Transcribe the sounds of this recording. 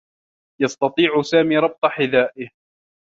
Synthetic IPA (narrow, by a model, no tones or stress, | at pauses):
jɑst̪ɑt̪ˤiːʕʊsaːmiːɾˤɑb̚t̪ˤɑħɪðaːʔɪh